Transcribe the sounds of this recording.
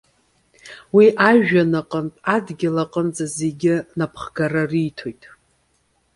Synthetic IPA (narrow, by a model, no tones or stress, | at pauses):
wiʔaʒᶣanaqʼəntʼadɡʲɪlaqʼənd͡zaze̞ɡʲɪnapʰχɡararijtʰo̞jtʼ